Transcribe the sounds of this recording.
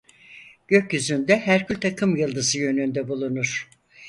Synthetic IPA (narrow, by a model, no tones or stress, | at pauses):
ɟ̥ø̞cjyzynd̪ɛɦæɾcʰylʲt̪ʰakʰɯmjɯlˠd̪ɯzɯjø̞nynd̪ɛbulˠunuɾ̥